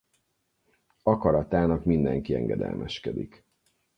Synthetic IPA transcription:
ɒkɒɾɒt̪aːnɒkmind̪ɛŋkiɛŋɡɛd̪ɛ̰lmʔɛʃkɛd̪ik

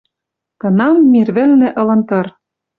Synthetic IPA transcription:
kɤ̆nɑmːirβɘ̆lnɘ̆ʔɤ̆lɤ̆nt̪ɤ̆r

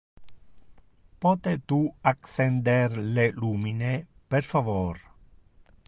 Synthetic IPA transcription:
pɔːt̪et̪uaksɛnd̪erleluːmine | perfavor

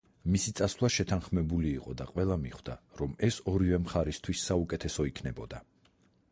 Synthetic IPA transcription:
misit̪sʼaslˠaʃɛt̪ʰanχmɛbuliːqʼɔd̪aqʼwɛlˠamiχwd̪̥aɾɔmɛsɔɾivɛmχaɾist̪ʰwisːaukʼɛt̪ʰɛsɔikʰnɛbɔd̪a

